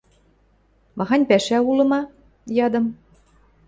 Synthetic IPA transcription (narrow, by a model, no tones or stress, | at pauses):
mɑɣɑnʲpæʃæulɤ̆mɑ | jɑd̪ɤ̆m